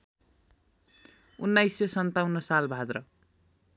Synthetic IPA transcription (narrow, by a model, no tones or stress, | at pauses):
unːajsesʌnt̪awnːʌsalbʱad̪rʌ